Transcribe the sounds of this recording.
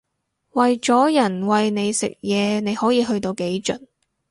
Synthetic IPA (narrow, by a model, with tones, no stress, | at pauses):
wɐ˨jt͡ʃɔː˨˥jɐ˨˩nwɐ˨jne˨˧jsɪ̰˨k̚jɛː˨˧ne˨˧jhɔː˨˥jiː˨˧ɦɵ˧ɥt̪o˧wke˨˥jt͡ʃɵ̰˨˩n